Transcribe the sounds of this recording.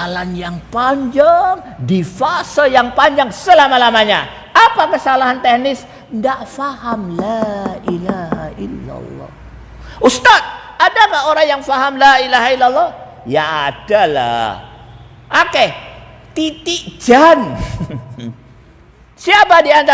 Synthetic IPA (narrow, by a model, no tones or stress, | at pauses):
alanjaŋpaɲd͡ʒaŋ | difasɔjaŋpaɲd͡ʒaŋsəlamalamaɲa | apakəsalaɦant̪ehnɪs | ndaʔfahamlaʔilahaʔilːa̰lːɔ̰ | ʔust̪at̪̚ | adakahoɾaŋjaŋfaɦamlailaɦailːalˠːɔh | jaːdala̰h | ʔake | t̪it̪iʔd͡ʒan | siapadiant̪a